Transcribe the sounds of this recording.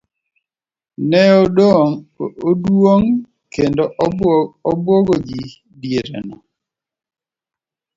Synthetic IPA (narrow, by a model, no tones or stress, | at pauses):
nɛodoodwoŋ | kendɔʔɔbwoɡoɡi | djeɾɛ̰nɔ